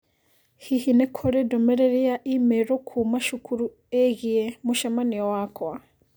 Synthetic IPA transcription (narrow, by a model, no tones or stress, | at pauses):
hihinekʰoɾedomeɾeɾiaʔimeɾokʰumaʃukʰuɾu | eɣiemuʃamaniowakʰwa